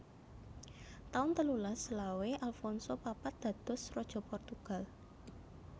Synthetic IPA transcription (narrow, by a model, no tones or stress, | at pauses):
t̪aʊnt̪əlulasəlaweʔalfɔnsopapat̪̚d̪̥ä̤d̪̥ɔ̤srɔd̥ʒ̥ɔ̤pɔrt̪uɡ̥a̤l